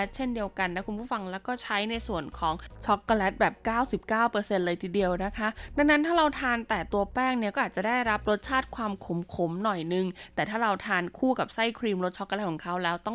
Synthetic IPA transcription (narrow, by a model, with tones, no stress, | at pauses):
t̪̚t͡ɕʰe˥˩ndi˧əwka˧nːa˦˥kʰu˧npʰuː˥˩fa˧ŋlɛː˦˥wkɔː˥˩t͡ɕʰa˦˥jna˧jsu˨˩ənkʰɔː˩˦ŋt͡ɕʰɔ˦˥kːa˧lɛ˦˥t̪̚bɛː˨˩p̚kaː˥˩wsi˨˩p̚kaː˥˩wpɤː˧se˧nlɤː˧jt̪ʰiː˧di˧əwna˦˥kʰa˦˥da˧ŋna˦˥nt̪ʰaː˥˩ɾa˧wt̪ʰaː˧nt̪ɛː˨˩t̪u˧ɐpɛː˥˩ŋni˥˩kɔː˥ʔaː˨˩t͡ɕa˨˩da˥˩jɾa˦˥p̚ɾo˦˥t̪̚t͡ɕʰaː˥˩t̪̚kʰwaː˧mkʰo˩˦mkʰo˨˦mnɔ˨˩jnɯ˨˧ŋt̪ɛː˨˩t̪ʰaː˥˩ɾa˧wt̪ʰaː˧nkʰuː˥˩ka˨˩p̚sa˥˩jkʰɾiː˧mɾo˦˥t̪̚t͡ɕʰɔ˦˥kːlt̚kʰɔ˨˩˦ŋkʰa˦˥wlɛː˦˥wt̪ɔ˥˩ŋ